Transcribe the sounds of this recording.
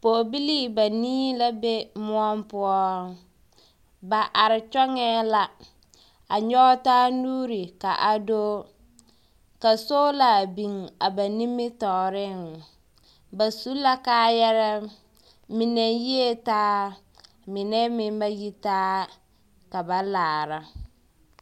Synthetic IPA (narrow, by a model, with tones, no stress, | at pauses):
poː˨bi˦li˦ba˨niː˦la˦be˦mʊ˦ɔ˦mpʊ˦ɔ˦ŋ | ba˨ʔa˨ɾɪ˨t͡ʃɔ˦ŋɛ˦la˨ | a˨ɲɔ˦ɔ˦taː˦nuː˦ɾi˨ka˨ʔa˨do˦ | ka˨so˦la˨bi˨ŋa˨ba˨ni˦mːɪ˦tɔ˨ɾɪ˦˨ŋ | ba˨su˦la˦kaː˦jɛ˦ɾɛ˦ | mi˨ne˨ji˦e˦taː˦ | mɪ˨nɛ˦mɪ˦m˦ba˦ji˦taː˦ | ka˨ba˨laː˨ɾa˨˦